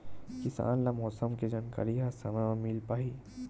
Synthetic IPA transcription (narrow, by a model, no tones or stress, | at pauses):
kɪsa̰ːnlamɔːsəmked͡ʒaːnka̰ɾiɦasɐmamiːlpaːɦi